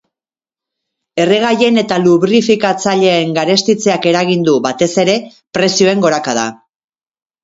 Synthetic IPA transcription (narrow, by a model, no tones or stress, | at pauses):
e̞re̞ɣ̞aje̞ne̞t̪aluβɾifikat͡saʎe̞ːŋɡaɾe̞st̪it͡se̞ake̞ɾaɣind̪uβat̪e̞se̞ɾe̞ | pɾe̞sio̞e̞ŋɡo̞ɾakað̞a̰